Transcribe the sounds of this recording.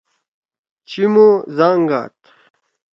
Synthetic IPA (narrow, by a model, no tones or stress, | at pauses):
t͡ɕimozaːŋɡa̰ːt̪